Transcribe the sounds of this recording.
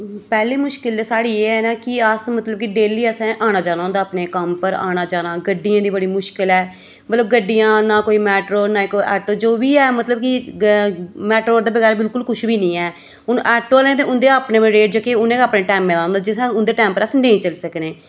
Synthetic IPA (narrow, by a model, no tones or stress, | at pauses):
pɛːleːmʊʃkɪld̪eːsaːɽiːeːɛːnaːkɪəsmət̪ləb̚kɪɖeːliːəsɛ̃ːʔaːñaːd͡ʒaːnaːõnd̪aːpneːkəmpəɾa̰ːñaːd͡ʒaːnaːɡəɖːɪjãːd̪iːbəɽiːmʊʃkɪlɛː | mət̪ləb̚ɡəɖːijãːnaːkoːiːmɛːʈɾoːnaːiːkoiʔɛːʈoːd͡ʒoːbiːɛːmət̪ləb̚kɪ | mɛːʈɾoːd̪eːbəɡɛːɾbɪlkʊlkʊʃbiːnĩːɛː | ʊnʔɛːʈoaːlẽːt̪ẽːʊnd̪eːaːpnẽːmẽɾeːʈ̚d͡ʒəkeʊnẽːkaːpnẽːʈɛːmːeːlaːõːnd̪aːd͡ʒɪsɛ̃ʊnd̪eːʈɛːmpəɾəsnẽːĩːt͡ʃəlsəkneː